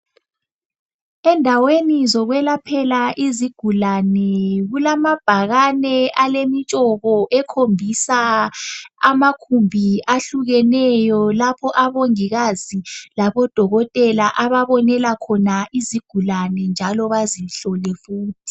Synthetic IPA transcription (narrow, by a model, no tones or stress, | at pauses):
ɛndʱawenizɔɣwɛlapʰɛlaʔiziɡ̥ʱulanɛɣulamab̥ʱaɣanɛʔalemit͡ʃʼɔβɔʔɛkʰombʱisa | a̰makʰumbʱiaɬuɣɛnɛjɔlapʰɔʔaβoŋiɣazilaβɔd̥ʱɔɣɔtʼɛlaʔaβaβɔnɛlakʰɔnaiziɡ̥ʱulanɛnd͡ʒʱalɔβaziɬɔlɛfuːtʰi̥